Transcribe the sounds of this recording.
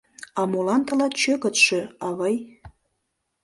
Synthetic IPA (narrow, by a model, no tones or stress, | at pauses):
ɑmolɑnt̪ə̆lɑt̪t͡ʃøkə̆t̪ʃĕɑβɑj